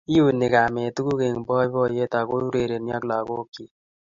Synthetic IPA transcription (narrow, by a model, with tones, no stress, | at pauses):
i˦ju˦˨nɪ˨ka˨me˨tu˦ɡu˦ke˨ŋ˨bɔ˦i˦bɔ˦˨je˦ta˨ko˦u˦ɾe˨ɾe˨nja˦kla˨ko˦kːi˦˨